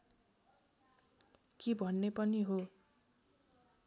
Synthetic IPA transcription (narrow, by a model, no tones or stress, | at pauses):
kibʱʌnːepʌniɦo